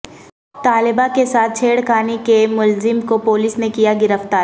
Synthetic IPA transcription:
t̪aːlɪbakesaːt̪̚ʰt͡ʃʰeːɽkaːnikemʊlzɪmkopoːliːsnekijaɡɪɾəft̪aːɾ

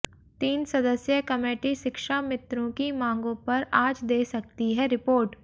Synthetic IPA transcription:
t̪iːnsɐd̪əsjəkɐmeːʈiʃɪkʃamɪt̪ɾõkimãːŋɡõpɐɾaːd͡ʒd̪eːsɐk̚t̪iɦɛɾɪpoːɾʈ

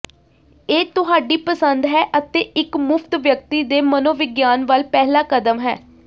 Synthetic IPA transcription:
eːt̪ʊɦaːɖiːpəsənd̪ɦɛːʔət̪eːʔɪkmʊpʰt̪ʋjək̚t̪iːd̪eːmənoːʋɪɡjaːnʋəlpɛːɦlaːkəd̪əmɦɛ̰ː

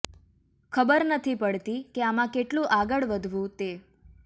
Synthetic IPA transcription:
kʰəbəɾnət̪ʰipəɭt̪ikeamãkeʈlũʔaɡəɭʋəd̪ʱʋũt̪e

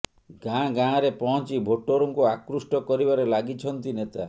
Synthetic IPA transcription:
ɡãɡãɾepɔɦɔ̃t͡ʃibʱoʈoɾɔŋkuakɾusʈɔkɔɾibaɾelaɡit͡ʃʰɔnt̪inet̪a

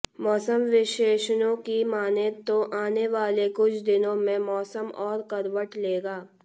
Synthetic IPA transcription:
mɔːsəmʋɪʃeːʃnõkimaːnet̪oʔaːneʋaːlekʊt͡ʃʰd̪ɪnõmẽmɔːsəmɔːɾkɐɾʋəʈleːɡaː

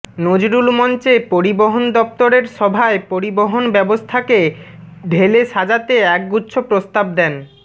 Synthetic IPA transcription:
nod͡ʑɾulmɔnt͡ɕepoɾiboɦond̪ɔp̚t̪oɾeɾʃɔbʱaepoɾiboɦonbɛbost̪ʰakeɖʱeleʃad͡ʑat̪eɛk̚ɡutːɕʰopɾost̪ab̚d̪ɛn

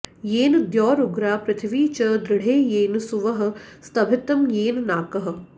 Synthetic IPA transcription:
jeːnd̪jɔːɾuɡɾaːpɾɪt̪ʰʋiːt͡ʃɐd̪ɾɪɽ̤eːjeːnsuʋɐɦɐ̆st̪ɐbʱɪt̪ɐmjeːnnaːkɐɦə̆

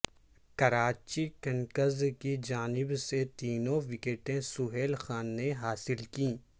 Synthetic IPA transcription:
kɐɾaːt͡ʃikɐnkəzkid͡ʒaːnɪbset̪iːnõʋɪkeːʈẽsʊɦeːlxaːnːeɦaːsɪlkĩː

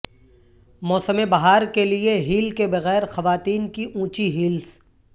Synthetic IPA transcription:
mɔːsəmebɐɦaːɾkelieɦiːlkebɐɣɛːɾxɐʋaːt̪iːnkiʔũːt͡ʃiɦiːls

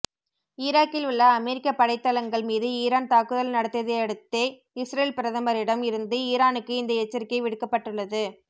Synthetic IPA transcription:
ɪɾaːkːɪlʊɭːɐːmɛɾɪkːɐpːɐɽɐɪt̪ːɐlɐŋɡɐɭmiːðɯiːɾaːnt̪aːkɯðɐlnɐɽɐt̪ːɪɐðɐɐɽɯt̪ːeː | ɪsɾɐːlpɪɾɐðɐmɐɾɪɽɐmɪɾɯnd̪ɯiːɾaːnɯkːɯɪnd̪ɐɛt͡ʃːɐɾɪkːɐɪʋɪɽɯkːɐpːɐʈːɯɭːɐðɯ

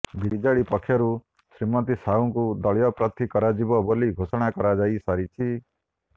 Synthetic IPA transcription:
biɾid͡ʒaɭipɔkʰːjɔɾu | sɾimɔt̪̬isauŋkud̪ɔɭjɔpɾɔt̪ʰikɔɾad͡ʒibɔboliɡʱosɔɽ̃akɔɾad͡ʒajsaɾit͡ʃʰi

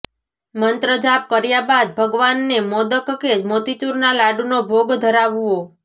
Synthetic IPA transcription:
mənt̪ɾəd͡ʒap̚kəɾjabad̪̚bʱəɡʋanːemod̪əkəked͡ʒmot̪it̪uɾnalaɖunobʱoɡd̪ʱəɾaʋuo

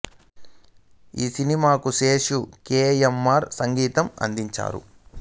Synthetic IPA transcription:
iːsinimaːkuseːʂukeːemːaːɾsɐŋɡiːt̪ɐmɐ̰nd̪iɲt͡ʃa̰ːɾṵ

